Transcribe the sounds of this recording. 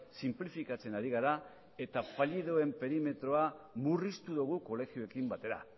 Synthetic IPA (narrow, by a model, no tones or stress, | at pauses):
simplifikat͡se̞naɾiɣ̞aɾa | e̞t̪afaʎiðoe̞mpe̞ɾime̞t̪ɾo̞amurist̪uðuɣ̞uko̞le̞xioe̞kimbat̪e̞ɾa̰